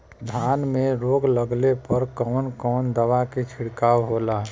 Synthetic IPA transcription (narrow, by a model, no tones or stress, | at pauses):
d̪ʱaːnmẽɾoːɡləɡlepəɾkɔːnkɔːnd̪əʋaket͡ʃʰɪɽkaːwɦolaː